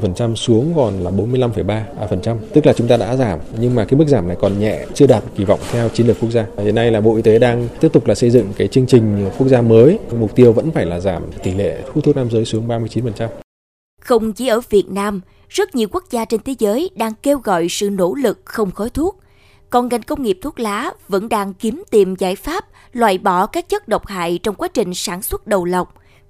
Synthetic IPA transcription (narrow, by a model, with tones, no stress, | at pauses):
fə˨˩nt͡ɕa˧msu˨˦əŋkɔ˨˩nlaː˨˩ɓo˨˦mɨ˧əjla˧mfə˧˩jɓaː˧fə˨˩nt͡ɕa˧mt̪ɨ˦˥k̚laː˨˩t͡ɕʊ˨˦ŋ͡mt̪aː˧ɗa̰ː˧˥zaː˧˩mɲɨ˧ŋmaː˨˩kaː˨˦jm˦˥k̚zaː˧˩mna˨˩jkɔ˨˩nɲɛ̰˧˨t͡ɕɨ˧əɗaː˨˩t̚ki˧˩vɔ̰˧˨wŋ͡mt̪ʰɛ˧wt͡ɕi˨˦nlɨ˨˩ku˦˥ək̚zaː˧hḭ˨əna˧jlaː˨˩ɓo̰˧˨ʔi˧t̪e˨˦ɗaː˧ŋi˦˥əp̚t̪ʊ˨˩k͡p̚laː˨˩sə˧jzɨ̰˧˨ŋkaː˨˦jt͡ɕɨ˧əŋt͡ɕï˨˩ŋ̟ku˦˥ək̚zaː˧məː˨˦jmʊ˨˩k͡p̚t̪i˧əwvə̰˧˥nfaː˧˩jlaː˨˩zaː˧˩mt̪i˧˩lḛ˧˨t̪ʰu˧˥t̪ʰːk̚naː˧mzəː˨˦jsu˨˦əŋɓaː˧mɨ˧əjt͡ɕi˨˦nfə˨˩nt͡ɕa˧m | xə˧wŋ͡mt͡ɕi˨˦ʔəː˧˩vi˨˩ət̚naː˧m | zə˦˥t̚ɲi˨˩əwku˦˥ək̚zaː˧t͡ɕe˧nt̪ʰe˨˦zəː˨˦jɗaː˧ŋke˧wɣɔ̰˧˨jsɨ̰˧˨no˧˥lɨ˨˩k̚xə˧wŋ͡mxɔ˨˦jt̪ʰu˦˥ət̚ | kɔ˨˩nɣa˨˩jŋ̟kə˧wŋ͡mŋi˨˩p̚t̪ʰu˦˥t̚laː˨˦və̰˧˥nɗaː˧ŋki˨˦mt̪i˨˩mzaː˧˩jfaː˦˥p̚ | lwaː˧˨˩jɓɔ˧˩kaː˦˥k̚t͡ɕə˦˥t̚ɗə˨˩wk͡p̚ha̰ː˧˨jt͡ɕɔ˧wŋ͡mkwaː˨˦t͡ɕï˨˩ŋ̟saː˧˩nswə˦˥t̚ɗə˨˩wlə˨˩wk͡p̚